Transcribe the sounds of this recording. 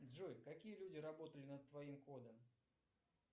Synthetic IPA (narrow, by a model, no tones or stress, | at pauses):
d̪zʐujkɐkʲijəlʲudʲɪɾɐbo̞t̪əlʲɪnət̪̚t̪ːvɐimko̞d̪əm